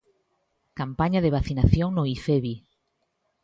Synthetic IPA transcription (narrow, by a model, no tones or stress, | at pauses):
kampaɲaðeβaθinaθjoŋnoifeβi